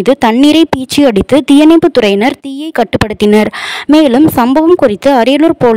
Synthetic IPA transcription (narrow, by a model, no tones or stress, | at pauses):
ðɯt̪ɐɳːɪɾɐɪpiːt͡ʃːiɐɽɪt̪ːɯt̪ɪjɐnɐɪpːɯt̪ʊrɐɪnɐɾt̪iːjɐɪkːɐʈːɯpːɐɽɯt̪ːɪnɐɾmeːlɯmsɐmbɐʋɐmkʊrɪt̪ːɯɐɾɐjɐluɾpoːl